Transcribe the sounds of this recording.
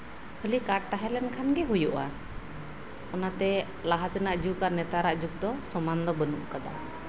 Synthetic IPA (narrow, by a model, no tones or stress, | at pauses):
kʰəlikaʈ̚t̪aɦɛlɛnkʰanɡɛɦujuʔa | ɔnat̪ɛ | laɦat̪ɛnaʔd͡ʒukaɾnɛt̪aɾaʔd͡ʒuk̚d̪ɔsɔmand̪ɔbənuʔkad̪a